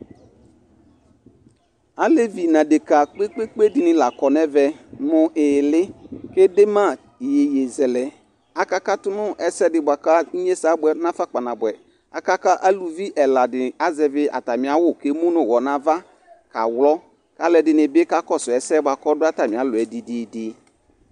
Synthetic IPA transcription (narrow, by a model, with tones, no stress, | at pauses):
a˦le˦vi˨nã˨dɪ˨ka˨k͡pe˦k͡pe˦k͡pe˦dɪ˨nɪ̃˨la˨kɔ˨nɛ˦vɛ˨mʊ̃˨ʔɪː˨lɪ˦ke˦de˦mã˦˨ | je˨je˨zɛ˨lɛ˨ | a˨ka˦ka˦tʊ˦nʊ̃˦ʔɛ˨sɛ˦dɪ˨bʊ˨a˨ka˦ɲ˦ɲe˦sa˨˦bʊ˦ɛ˨nã˦fa˦k͡pa˨nã˨bʊ˨ɛ˨ | a˨ka˦ka˦ʔa˦lu˨vi˦ʔɛ˨la˨dɪ˨a˦zɛ˨vɪ˦a̰˨ta˨mɪ̃˨a˦wʊ˦ke˦mũ˦nʊ̃˨wɔ˨nã˨va˦ | ka̰˨wlɔ˦ | ka˦lɛ˨dɪ˨nɪ̃˨be˦ka˦kɔ˦sʊ˨ɛ˨sɛ˦ba˨kɔ˦dʊ˦a˦ta˨mɪ̃˨a˨˦lʊ˨ɛ˨dɪ˨dɪ˨dɪ˨